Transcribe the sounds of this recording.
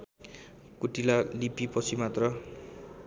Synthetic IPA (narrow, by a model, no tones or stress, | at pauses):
kuʈilalipipʌt͡sʰimat̪rʌ